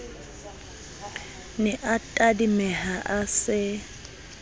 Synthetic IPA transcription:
nɛʔatʼadimɛhaʔasɪ

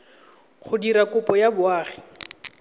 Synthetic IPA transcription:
χʊdiɾakʊpɔjabʊaːχi̥

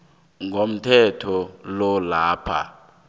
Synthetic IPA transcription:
ŋɡʱom̩tʰɛtʰɔlɔlaːpʰa̰

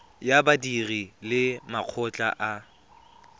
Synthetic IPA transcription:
jabadirilɪmaq͡χʰɔt͡ɬʼa̰ʔa

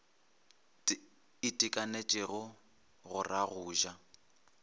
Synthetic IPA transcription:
ɪtʼɪkʼanet͡ʃʼɪɣʊ | ɣʊrʔaɣʊːʒa

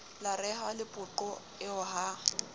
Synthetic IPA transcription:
larɛhalɪpʼʊǃɔ | ɪʊɦa

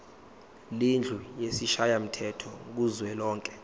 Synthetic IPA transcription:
lind͡ɮʱujesiʃajam̩tʰɛtʰɔk̬uzwɛlɔːŋkʼɛ̥

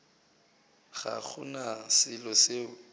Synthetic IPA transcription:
ɣa̰k͡xʰʊnasɪlɔseʊ

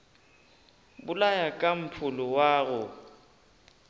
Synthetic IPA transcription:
bʊlajakʼam̩pʰʊlʊwaːɣʊ

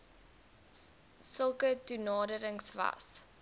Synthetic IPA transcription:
səlˠkətunɑːdəɾəŋsvɐ̰s

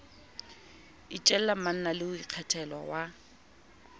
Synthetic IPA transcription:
it͡ʃʼɛl̩lam̩man̩nalɪʊiq͡χʰɛtʰɛlwa̰wa

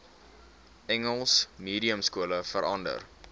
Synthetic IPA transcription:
ʔɛŋəlˠsmiːɾiəmskuələfəɾʔɐndə̰r

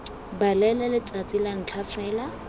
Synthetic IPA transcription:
balɛlɛlɪt͡sʼat͡sʼilaŋ̩t͡ɬʰafɛːla

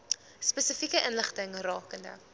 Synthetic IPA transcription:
spɛsəfikəʔənləχtəŋrɑːkəndə̰

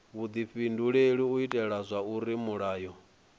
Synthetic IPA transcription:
βud̪iɸinduɺeɺiuitʼɛɺazʷauɾimuɺaːjɔ

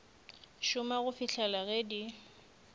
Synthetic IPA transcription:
ʃʊmaɣʊfiɬʰalaɣedi

